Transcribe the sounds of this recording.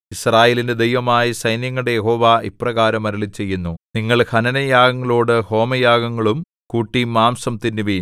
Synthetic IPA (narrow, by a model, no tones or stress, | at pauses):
israːje̞ːlinde̞d̪ejʋɐmaːjisɐjnjɐŋːɐɽejeɦo̞ːʋaiprɐɣaːɾɐmɐɾɐɭit͡ɕːe̞jːunːuniŋːɐɭhʰɐnɐnɐjaːɡɐŋːɐɭo̞ːɽɨho̞ːmɐjaːɡɐŋːɐɭum | kuːʈːimːaːmsɐmt̪inːiʋi